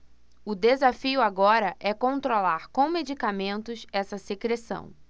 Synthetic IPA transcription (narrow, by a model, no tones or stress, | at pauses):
ʊd̪ezafiʊaɡɔɾɐʔɛkõnt̪ɾolaɾkõw̃med͡ʒikamẽnt̪ʊsɛsɐsekɾesɐ̰̃w̃